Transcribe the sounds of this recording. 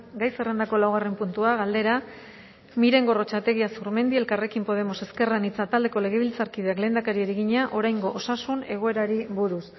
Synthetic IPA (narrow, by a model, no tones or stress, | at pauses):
ɡajsere̞nd̪ako̞lawɣare̞mpunt̪uaɣ̞ald̪e̞ɾa | miɾe̞ŋɡo̞ro̞t͡ʃat̪e̞ɣiasuɾme̞nd̪ie̞lkare̞kimpo̞ð̞e̞mo̞se̞ske̞ranit͡sat̪ald̪e̞ko̞le̞ɣ̞e̞β̞ilt͡saɾkiðeakle̞ːnd̪akaɾieɾiɣiɲaʔo̞ɾajŋɡo̞ʔosasune̞ɣ̞o̞e̞ɾaɾiβuɾus